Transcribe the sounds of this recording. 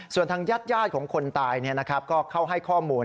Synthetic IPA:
su˨˩ənt̪ʰaː˧ŋjaː˥˩t̪̚jaː˥˩t̪̚kʰɔː˩˦ŋkʰo˧nt̪aː˧jni˥˩na˦˥kʰɾa˦˥p̚kɔː˥˩kʰa˥˩wɦa˥˩jkʰɔː˥˩muː˧n

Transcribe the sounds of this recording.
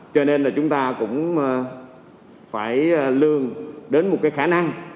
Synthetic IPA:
t͡ɕɔ˧ne˧nlaː˨˩t͡ɕʊ˨˦ŋ͡mt̪aː˧kʊ̰˧˥ŋ͡m | faː˧˩jlɨ˨˩əŋɗe˨˦nmo˨˩t̚kaː˨˦xaː˧˩na˧ŋ

